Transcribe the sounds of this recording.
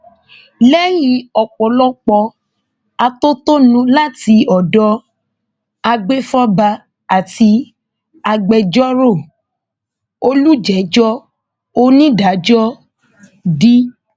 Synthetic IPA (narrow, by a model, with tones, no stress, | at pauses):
lɛ˦jĩ˨˦ɔ˨k͡pɔ˨˦lɔ˦k͡pɔ˧ | a˧to˦to˦nũ˨˦la˦˨ti˧ɔ˨dɔ˧ | a˧ɡ͡be˦fɔ˦ba˧ | a˨ti˧ | a˧ɡ͡bɛ˧d͡ʒɔ˦ɾo˦˨ | o˦lu˦d͡ʒɛ˨˦d͡ʒɔ˦ | o˦nĩ˦da˨˦d͡ʒɔ˦ | di˦